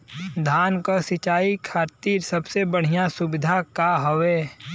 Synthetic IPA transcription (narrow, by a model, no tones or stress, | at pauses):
d̪ʱaːnkasɪt͡ʃaːikʰaːɾt̪iːɾsɐbsebəɽ̤ijasʊbɪd̪ʱakaɦoʋeː